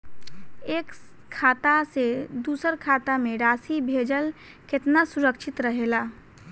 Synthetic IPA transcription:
eːk | kʰːaːt̪ased̪uːsəɾkʰaːt̪amẽɾaːsibʱeːd͡ʒəl | kɪt̪nasuɾəkʃʰɪt̪ɾəɦela

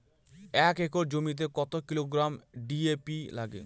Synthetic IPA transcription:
ɛkekoɾd͡ʑomit̪̬ekɔt̪okiloɡɾamɖiepilaɡḛ

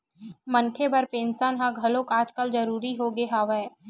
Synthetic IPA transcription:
mɐnkʰebɐɾpẽːnsənɦãɡʱɐlõkaːd͡ʒkəld͡ʒəɾuːɾiɦoɡeɦaːʋeː

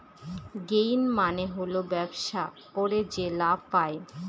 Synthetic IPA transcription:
ɡejnmaneɦolobɛbʃa | koɾed͡ʑelapae

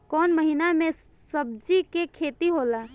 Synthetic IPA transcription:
kɔːnməɦinamẽ | səb̚d͡ʒikekʰet̪iɦola

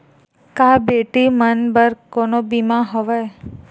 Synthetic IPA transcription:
kabeʈimənbəɾkonobimaɦəʋe

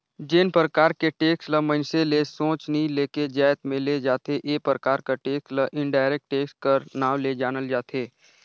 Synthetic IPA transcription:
d͡ʒɪnpɾəkaːɾkeʈeːksləmə̃nselesõːt͡ʃnəileːked͡ʒaːɪt̪mẽled͡ʒaːt̪eʔeːpɾəkaːɾkaʈeːksləʔɪ̃ɳɖaːɪɾeːk̚ʈːeːkskəɾnaːʋled͡ʒaːnəld͡ʒaːt̪ʰeː

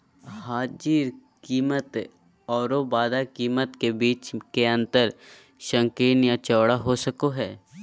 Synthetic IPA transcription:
ɦaːd͡ʒiːɾkiːmət̪ | ɔːɾobaːd̪akiːmət̪kebiːt͡ʃkeɐ̃nt̪əɾ | ʃə̃ŋkeːnjat͡ʃɔːɽaɦosəkoɦɛː

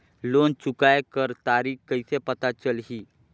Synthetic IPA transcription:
lont͡ʃukajekəɾt̪aɾiːxkəjsepət̪at͡ʃəlɦiː

